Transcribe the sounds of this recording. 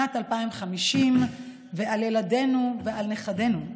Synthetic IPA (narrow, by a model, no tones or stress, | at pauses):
atalpaimχamiʃim | veʔaljeladenuveʔalneχade̞nu